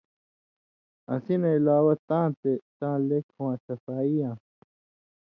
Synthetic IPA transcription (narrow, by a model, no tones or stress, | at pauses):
ɐ̃sineilaːwɐt̪ãːt̪et̪ãːlekʰwãːtʰɐfaːijãː